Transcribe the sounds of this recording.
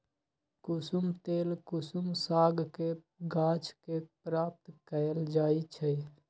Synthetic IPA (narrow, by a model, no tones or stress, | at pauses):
kusumt̪eːlkusumsaɡke | ɡãt͡ʃʰkepɾaːp̚t̪kəld͡ʒaːit͡ʃʰə